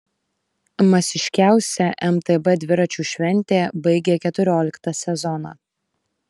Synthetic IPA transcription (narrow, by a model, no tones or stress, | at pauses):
mɐsʲɪʃʲkʲæˑʊsʲɛʔɛmt̪ɛbɛd̪ʲʋʲɪɾɐt͡ʃʲuːʃʲʋʲɛnʲt̪ʲeːbɐɪɡʲeːkʲɛt̪ʊɾʲoːlʲɪkt̪ɐsʲɛzɔnɑ̰ː